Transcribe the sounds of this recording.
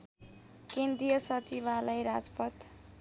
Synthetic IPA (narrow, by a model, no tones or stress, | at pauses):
kend̪ijʌsʌt͡siβalajɾad͡zpʌt̪